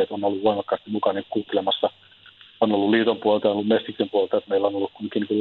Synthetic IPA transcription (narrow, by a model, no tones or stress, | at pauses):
et̪onolːuʋʋoimɑkːɑːˑst̪immukɑnikkuːt̪ːelemɑsːɑ | onolːulliːt̪ompuolt̪ɑjonolːumest̪iksempuolt̪ɑjot̪meilːonolːukkunkinkul